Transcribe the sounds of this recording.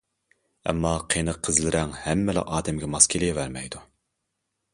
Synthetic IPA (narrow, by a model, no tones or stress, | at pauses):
ɛ̰mːɑqʰenɨqʰəzlɪɾɛŋhɛmːɪlæ̰ʔɑːd̪ɛmɡʲɛmɑskʲʰelɪvæɾmɛjd̪u